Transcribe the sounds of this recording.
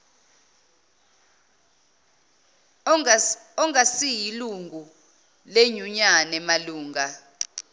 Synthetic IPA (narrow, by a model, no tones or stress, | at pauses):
ɔŋasijiluŋɡʱu | leɲuɲanɛmaluːŋɡa